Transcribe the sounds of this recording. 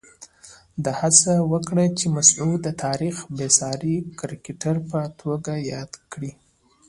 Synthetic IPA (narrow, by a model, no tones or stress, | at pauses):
d̪ahat͡sawəkɽat͡ʃemasʕud̪ət̪ʰɑɾixbesɑɾikɾikiʈaɾpət̪ʰoɡajɑd̪kɽi